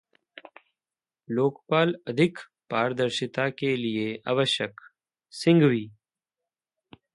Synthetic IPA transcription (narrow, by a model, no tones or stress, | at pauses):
loːkpaːlɐd̪ʱɪk | paːɾd̪ɐɾʃɪt̪akelieɐ̰ʋəʃɐk | sɪ̃ŋɡwiː